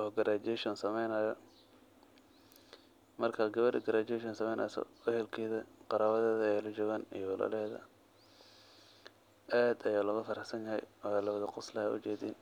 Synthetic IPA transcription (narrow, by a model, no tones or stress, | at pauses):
ʔɔːɡɐɾʔaːd͡ʒɛʃɔnsɐmɛjnaːjɔ | mɐrkʰaɡɐβɐɖɪ̰ɡɐɾaːt͡ʃɛʃɔnsɐmɛjnʔɐ̰ːsɔ̰ɛhɛlkʰɛːðɐqɑɾaːβɐðɛːðɐɛːlɐt͡ʃɔːɣaːnijɔwlɐ̰lɛːðɐ̰ | ʔaːd̪ɐjaːlɐɣʊfɐɾɐħsɐnjɐɦɛ̰jaːlɐwɐðɐqʊslɐhɛ̰ʔʊ̰t͡ʃɛːd̪iːn